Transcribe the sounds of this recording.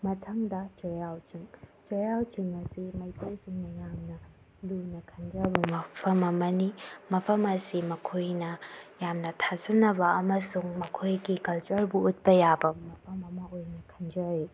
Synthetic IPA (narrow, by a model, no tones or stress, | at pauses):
mɐtʰɐŋdɐt͡ʃojawt͡ʃiŋt͡ʃojawt͡ʃiŋɐsimɐjtejsiŋnɐjamnɐ | lunɐkʰɐnd͡ʒɐbɐmɐpʰɐmɐmɐnimɐpʰɐmɐsimɐkʰojnɐjamnɐtʰazɐnɐbɐɐmɐsuŋmɐkʰojɡikɐlt͡ʃɐɾbuːt̚pɐjabɐmɐpʰɐmɐmɐojnɐkʰɐnd͡ʒɐɾi